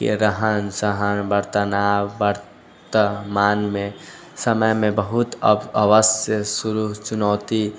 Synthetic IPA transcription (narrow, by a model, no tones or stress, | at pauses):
kḛɾəɦənsəɦənʋəɾt̪ənaʋəɾ | t̪əmaːnmẽ | səməjmẽbəɦʊt̪ə̰bəʋəsjəsʊɾuɦt͡ʃʊnɔːt̪i